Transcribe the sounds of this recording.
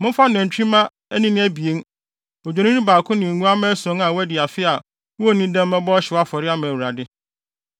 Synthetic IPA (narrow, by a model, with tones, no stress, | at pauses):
mʊ̃˦fa˦nɛ̃˨n̩˨t͡ɕᶣĩ˦mã˦ | æ˦nĩ˦nɪ̃˦æ˦bi˨e˦n˦ | o˨d͡ʑᶣo˨ñĩ˦ñ˦baː˨kʰʊ̃˦nɪ̃˨ŋũ˦a˦mɛ̃˦sɔ̃˦ŋã˨wɛ˦dɪ˨a˨fɪ˦a˨ | wo˦˨nĩ˦dɛ̃˦m˦mɛ̃˦bɔ˦ɔ˦ɕɪ˨˦a˦fɔ˨ɾɪ˦a˦mɛ̃˨wu˨ɾa˨dɪ˦